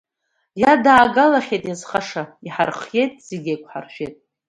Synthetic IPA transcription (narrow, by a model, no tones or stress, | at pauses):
jadaːɡalaχʲejtʼjazχaʂaiħa̰rχje̞jtʼz̥eɡʲejkʷʰħa̰rʃᶣejtʼ